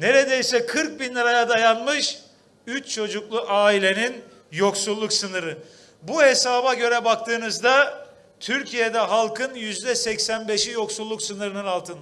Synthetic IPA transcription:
ne̞ɾe̞d̪ejsɛkʰɯɾk̚binlʲɛɾajad̪ajanmɯʃ | yt͡ʃt͡ʃʰo̞d͡ʒuklˠuʔaːilʲe̞nin | jo̞ksulˠːuksɯnɯɾɯ | buhe̞saːbaɟø̞ɾɛbak̚t̪ʰɯːnɯzd̪a | t̪ʰyɾcʰije̞d̪ɛɦalˠkʰɯnjyzd̪ɛsɛcsænbe̞ʃijo̞ksulˠːuksɯnɯɾɯnɯnalˠt̪ʰɯnd̪a

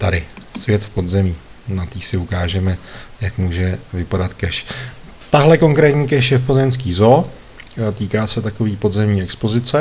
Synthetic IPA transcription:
t̪adɪsvjɛt̪fpo̞d̪zɛmiː | nat̪iːsɪukaːʒɛmɛjakmuːʒɛvɪpadat̪kɛʃ | t̪aɦlɛko̞ŋkɾɛːt̪ɲiːk̬ɛʃjɛfpozɛmskiːzo | t̪iːkaːsɛt̪ako̞viːpo̞d̪zɛmɲiːɛkspo̞zɪt͡sɛ

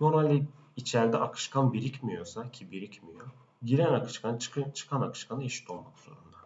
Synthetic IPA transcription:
j̪oɾalʲi | it͡ʃʰæɾd̪ɛʔakʰɯ̥ʃkʰanbiɾicmijo̞sacʰibiɾicmijo̞ | ɟiɾænakɯ̥ʃkʰant͡ʃt͡ʃʰɯ̥kʰanakʰɯ̥ʃkʰanaiʃi̥t̪ʰolˠmakz̥o̞̰ɾund̪a

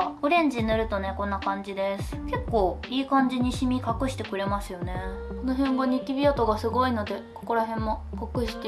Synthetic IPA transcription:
ɯ̟ɾẽ̞ɲ̟d͡ʑinɯ̟ɾɯ̟t̪o̞nekõ̞nːakãɲ̟d͡ʑid̪e̞sɨ̥ke̞kːo̞ːiːkãɲ̟d͡ʑiɲ̟iɕimʲikakɯ̟ɕi̥t̪e̞kɯ̟ɾe̞masɨjo̞ne̞konoɦẽ̞ŋɡaɲ̟it̪ʲibʲiat̪o̞ɡasɨɡo̞ino̞d̪e̞ko̥ko̞ɾaɦẽ̞mːo̞kakɯ̟ɕi̥t̪e

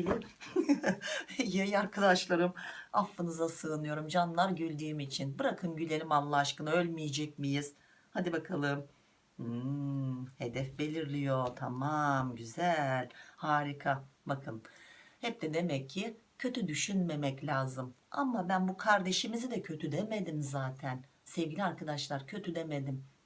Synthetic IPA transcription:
bilʲim | jajaɾkʰad̪aʃlˠaɾɯmafːɯnɯzasɯːnɯjo̞ɾumd͡ʒanlˠaɾɟylʲd̪yːmit͡ʃʰinbɯɾakʰɯmɟylʲelʲimanlˠaʃkɯnaø̞lʲmijed͡ʒɛc̚mijiz̥ | had̪ibakʰalˠɯm̩ | he̞d̪ɛfbe̞lʲiɾlʲijo̞t̪ʰamamɟyzælʲhaːɾikʰabakʰɯnhɛp̚d̪ɛd̪e̞mɛcʰːɪcʰø̞t̪ʰyd̪yʃynme̞mɛclʲaːzɯma̰mabænbukʰaɾd̪e̞ʃimizid̪ɛcʰø̞t̪ʰyd̪e̞me̞d̪imzaːt̪ʰæn | sɛvɟilʲiaɾkʰad̪aʃlˠaɾcʰø̞t̪ʰyd̪e̞me̞d̪im

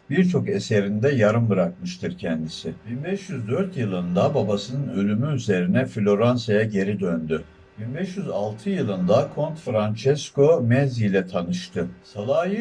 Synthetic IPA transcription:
b̥iɾt͡ʃʰo̞ke̞se̞ɾind̪ɛjaɾɯmbɯɾak̚mɯʃt̪ʰɯɾcʰɛnd̪isɪb̥inbɛʃjyzd̪øɾt̪jɯlˠɯnd̪ababasɯnɯnø̞lʲymyyze̞ɾinɛflʲo̞ɾansajaɟe̞ɾid̪ønd̪y | b̥inbɛʃjyzalˠt̪ʰɯjɯlˠɯnd̪akʰo̞nt̪fɾant͡ʃʰɛsko̞mɛzijlʲɛt̪ʰanɯʃt̪ʰɯsalˠaːjɯ

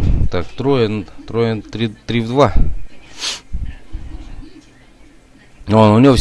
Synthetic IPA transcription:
t̪akt̪ɾoɛnt̪ɾoɛnt̪ɾit̪ɾivd̪va | ɔnonʲis

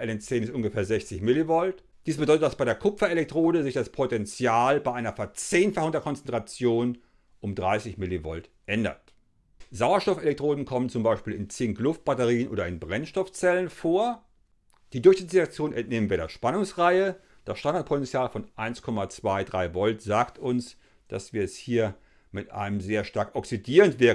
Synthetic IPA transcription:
ʔɛlɛnt͡seːnɪstʔʊnɡəfeːɐzɛçt͡sɪçmɪlivɔlt | d̥iːsb̥ədɔʏtətd̥asb̥aɪɾeːɐkʰʊfɐelɛk̚tʁ̥oːdəzɪçd̥aspʰotɛnt͡sjaːlbaɪʔaɪnɐfɛɐt͡seːnfaχʊŋdeɐkʰɔnt͡sɛntʁ̥at͡sjoːn | ʔʊmdʁaɪsɪçmɪlivɔ̰ltʔɛndɐ̰t | zaʊɐʃtɔfelɛk̚tʁ̥oːdn̩kʰɔmənt͡sʊmbaɪʃpiːlɪnt͡sɪːŋklʊft̚b̥atəʁiːənʔo̰ːdɐɪnbʁɛnʃtɔft͡sɛlənfoːɐ | d̥iːdʊɐçz̥ɪt͡ssʁ̥iak̚t͡sjoːnɛ̰ntneːmən̩viɐdɐʃpanʊŋsʁaɪə | d̥asʃtandaɐt̚pʰɔtɛnt͡sjaːlfɔnʔaɪnskʰɔmat͡sv̥aɪdʁaɪvɔltz̥aːktʰʊns | d̥a̰sv̥iːɐɛshiːɐ | mɪtʔa̰ɪnəmzeːɐʃtaɐkʔɔksidiːʁəntv̥ɪɐ

